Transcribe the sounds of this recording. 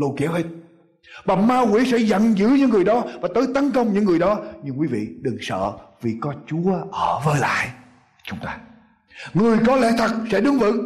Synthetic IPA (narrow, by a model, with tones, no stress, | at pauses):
lu˧˩ki˧˨˦əwhe˦˥t̚ | ɓa˨˩maː˧wḭ˧˦˥sɛ̰˧˥zə̰˧˨nzɨ̰˧˥ɲɨ̰˧˥ŋːɨ˨˩əjɗɔ˨˦vaː˨˩t̪əː˨˦jt̪ə˨˦nkə˧wŋ͡mɲɨ̰˧˥ŋːɨ˨˩əjɗɔ˨˦ɲɨ˧ŋkwi˨˦vḭ˧˨ɗɨ˨˩ŋsə̰ː˧˨vi˨˩kɔ˨˦t͡ɕu˨˦əʔəː˧˩vəː˧˦jla̰ː˧˨j | t͡ɕʊ˨˦ŋ͡mt̪aː˧ | ŋɨ˨˩əjkɔ˨˦lɛ̰˧˥t̪ʰə˨˩k̚sɛ̰˧˥ɗɨ˨˦əŋvɨ̰˧˥ŋ